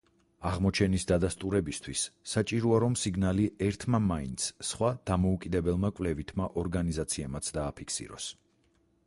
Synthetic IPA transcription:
aʁmɔt͡ʃʰɛnisd̪ad̪ast̪ʼuɾɛbist̪ʰwisːat͡ʃʼiɾɔaɾɔmsiɡnaliɛɾt̪ʰmamaint̪sʰχwad̪̥amɔukʼid̪ɛbɛlˠmakʼvlɛvit̪ʰmaʔɔɾɡanizat̪sʰiɛmat̪sʰd̪aːpʰikʰsḭɾɔ̰s

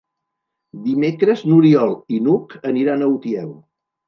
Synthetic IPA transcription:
d̪imekɾəznuɾiɔlˠinukəniɾanəwt̪iɛw

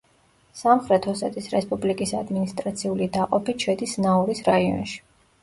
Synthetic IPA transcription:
samχɾɛt̪ʰhɔsɛt̪ʰʼisɾɛspʼublikʼisad̪minist̪ʼɾat̪sʰiulid̪aqʼɔpiʃʰɛd̪isnaɔɾisɾaiɔ̰nʃi̥

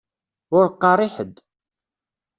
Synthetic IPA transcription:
ʊɾqːɑɾˤɪħəd̪

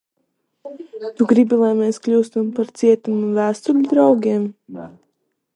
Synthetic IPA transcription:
t̪uɡɾibʲilˠajmɛːsklʲuːst̪umpaɾt̪siɛt̪umuvæːst̪ulʲud̪ɾawɡʲiɛm

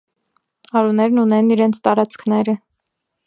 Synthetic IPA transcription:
ɑɾunɛɾnunɛniɾɛnt͡sʰt̪ɑɾɑt͡skʰnɛɾə

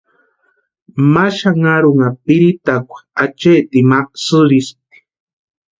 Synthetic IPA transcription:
maʃaŋaɾuŋapiɾit̪akʷḁat͡ʃet̪imaksɨɾist̪i̥

